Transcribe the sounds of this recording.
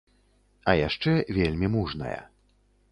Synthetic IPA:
ɐjaʂt͡ʂɛvʲelʲmʲimuʐnɐ̰jɐ̰

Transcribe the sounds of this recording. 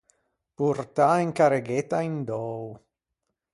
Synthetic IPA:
puɾt̪aeŋkaɾeɡet̪aind̪ɔːw

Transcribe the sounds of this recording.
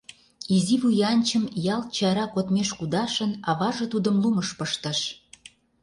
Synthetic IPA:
iziβujɑnʲt͡ɕəmjɑlt͡ɕɑɾɑkot̪meʃkud̪ɑʃə̆nɑβɑʒɤ̆t̪ud̪əmluməʃpəʃt̪ə̆ʃ

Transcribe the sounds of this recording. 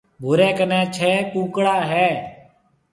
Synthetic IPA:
bʱʊɾẽːkənɛ̃ːt͡ʃʰɛːpuːkɽaːɦɛː

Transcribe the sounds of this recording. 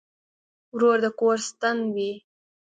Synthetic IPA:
wɾoɾd̪əkoɾst̪anwi

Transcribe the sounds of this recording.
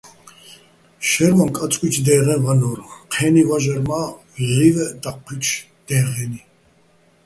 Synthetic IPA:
ʃɛɾmankʼat͡sʼkʼwit͡ʃʰd̪ɛːʁɛvanɔɾqʰɛːnivaʒɛɾma | livɛd̪aqʰːit͡ʃʰ | d̪̥ɛːʁɛni

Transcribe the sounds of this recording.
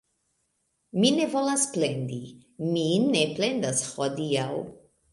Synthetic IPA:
minevo̞lasple̞nd̪i | mineple̞nd̪ashod̪iaw

